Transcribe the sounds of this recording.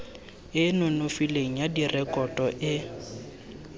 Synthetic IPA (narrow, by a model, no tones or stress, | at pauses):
ɪnʊnʊfileŋ̩jadirɛkʼɔtʼɔʔɪ